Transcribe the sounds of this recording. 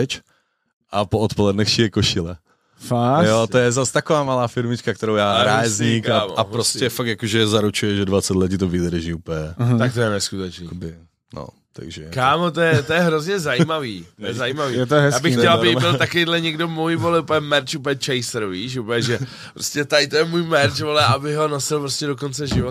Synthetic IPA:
ɛt͡ʃ | ʔapoot̪polɛdnɛxʃiɛkoʃɪlɛ | fajot̪ojɛzast̪akovaːmalaːfɪɾmɪt͡ʃkakt̪ɛɾowjaːɾaːɛzɲika̰apɾoscɛfak̚t̪jakoʒɛzaɾut͡ʃujɛʒɛdvat͡sɛt̪lɛcit̪ovɪd̪rʒiːuːpjɛt̪ak̚t̪ojɛnɛskut̪ɛt͡ʃniːkbɪ | no̰ | t̪a̰ɡʒɛkaːmot̪ojɛt̪ojɛɦɾozɲɛzaiːmaviːt̪ojɛzajiːmaviːɛt̪oɦɛsjaːbɪxxɛlabɪɪlt̪akoejdlɛɲɛɡdomujvolɪupəjɛmɛɾt͡ʃup̬lɛt͡ʃɛjsɾviːʃ̬upl̩ɛʒɛ | pɾoscɛt̪ajt̪ojɛmuːjmɛɾt͡ʃvolɛʔabɪɦonosɪlpɾoscɛdokont͡sɛʒɪvot̪

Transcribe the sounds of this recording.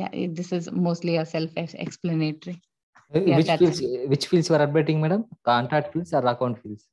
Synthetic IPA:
ja̰d̪ɪsɪzmoːsʈliəsɛlfeɛ̰kspləneːʈəɾi | ʋɪt͡ʃfilsʋɪt͡ʃfiːlsʋəɾɐɖ̚beʈɪ̃ŋɡmɛːɖəmkãːɳʈɾak̚ʈfiːlsaɾːakãʊ̃ɳɖfiːls

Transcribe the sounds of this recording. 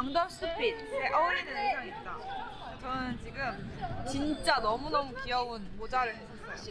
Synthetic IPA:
aŋdamsɯpʰeseʔʌɾinɯnʰesʰait̚t͈a | t͡ɕʌnɯnt͡ɕiɡɯmt͡ɕint͡ɕ͈anʌmunʌmukiʌunmod͡ʑaɾɯɭɦes͈ʌsaɕi

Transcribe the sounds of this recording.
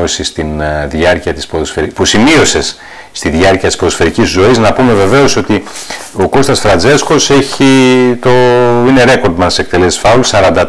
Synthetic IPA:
o̞sist̪inðʝɐɾciɐt̪ispoðosfeɾpusimio̞se̞s | st̪iðʝɐɾciɐt̪ispoofe̞ɾicizzo̞iznɐpume̞ve̞ve̞o̞so̞t̪i | o̞ko̞st̪ɐsfɾɐnd͡ze̞sko̞se̞çit̪o̞ine̞ɾe̞ko̞ɾd̪mɐnse̞k̚t̪e̞le̞ssfɐulsɐɾɐnd̪ɐ

